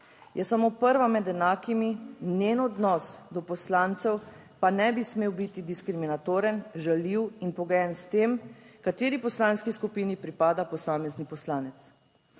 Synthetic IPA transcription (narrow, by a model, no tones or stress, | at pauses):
jʔɛsamoːpəɾʋamɛd̪ɛnaːkimineːnɔd̪nɔsd̪ɔpɔslaːnt̪sɛw | panɛbismeːwbit̪id̪iskɾiminat̪oːɾɛnʒaliwinpɔɡjɛnst̪eːmkat̪eːɾipɔslaːnskiskupiːnipɾipaːd̪apɔsaːmɛznipɔslaːnɛt̪s